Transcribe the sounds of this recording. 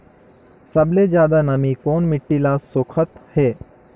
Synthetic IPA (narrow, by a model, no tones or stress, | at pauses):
sɐbled͡ʒjaːd̪anɐmikoːnmɪʈːilasʊkʰət̪heː